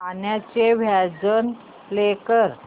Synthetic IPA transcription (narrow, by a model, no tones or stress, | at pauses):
anjat͡ɕeʋjad͡zən | lekəɾ